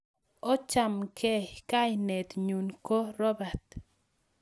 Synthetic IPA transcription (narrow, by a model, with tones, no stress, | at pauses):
ɔ˦t͡ʃa˨mkʰɛ˦ka˦ɪ˨nɛ˨t̪ɲu˨nko˦ɾɔ˦ba˨t̪